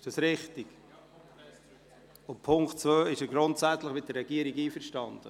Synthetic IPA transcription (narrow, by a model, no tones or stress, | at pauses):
ɪʃd̥ɑsɾɪχtiɡ̥ | ʊnpʰʊŋktt͡svøːɪʃəɡɾʊntsæt͡sləχmɪt̚dəɾːɛɡiəɾiɡiːfəɾʃtɑnd̥̪ə